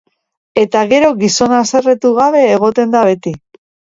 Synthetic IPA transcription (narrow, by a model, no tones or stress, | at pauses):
e̞t̪aɣe̞ɾo̞ɣiso̞nase̞re̞t̪uɣaβe̞ːɣ̞o̞t̪e̞nd̪aβe̞t̪i